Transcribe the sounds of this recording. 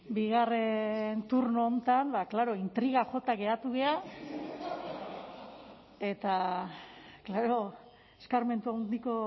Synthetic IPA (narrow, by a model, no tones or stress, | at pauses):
biɣare̞nt̪uɾnoːnt̪ambaklaɾo̞int̪ɾiɣ̞axo̞t̪aɣe̞at̪uɣe̞a | e̞t̪a | klaɾo̞ | eskaɾme̞nt̪uand̪iko̞